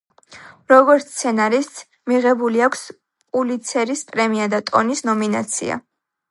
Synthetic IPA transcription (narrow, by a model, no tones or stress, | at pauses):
ɾɔɡɔɾt̪t̪sʰɛnaɾist̪s | miʁɛbuliakʷʰs | pʼulit̪sʰɛɾispʼɾɛmiad̪at̪ʼɔnisnɔmina̰t̪sʰḭa̰